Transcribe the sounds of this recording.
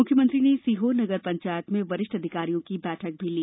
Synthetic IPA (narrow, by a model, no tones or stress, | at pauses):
ʊkʰjəmə̃nt̪ɾinesiɦonɐɡəɾpɐ̃ɲt͡ʃaːjət̪mẽʋɐɾɪʃʈɐd̪ʱɪkaːɾijõkibɛːʈʰək̚bʱiliː